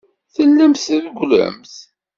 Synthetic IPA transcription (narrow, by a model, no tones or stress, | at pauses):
θəlːəmθəðɡʷlə̰mθ